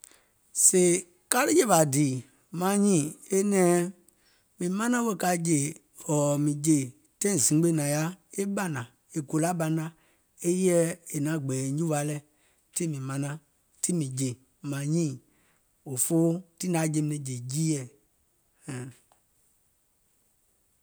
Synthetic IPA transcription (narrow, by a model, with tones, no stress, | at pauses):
se˨ | ka˦lɨ˦je˦˨ba˨diː˨ | mã˨˦ɲĩː˦˨e˦nɛ̃ː˨˦ | mĩ˨mã˦nã˦wə˦˧˨ka˧˨˦d͡ʒe˨ | ɔ˨mĩ˨d͡ʒe˨ | tɛ̃˦ĩ˨zĩ˨˦ɡ͡be˦nã˨ja˦e˦ɓa˦nã˨ | e˨ko˨la˦ɓa˧nã˦ | e˦jɛ˦e˨nã˨˦˨ɡ͡bɛː˨˦ɲ˦ũ˦wa˨˦lɛ˦˨ | ti˦mĩ˨mã˧nã˧ | ti˦mĩ˨d͡ʒe˨ | mã˨ɲĩː˦˨ | o˨foː˦ti˦nã˨˦d͡ʒe˦mi˦nĩ˨d͡ʒe˨d͡ʒiː˦jɛ˦˨ | hɛ̃˨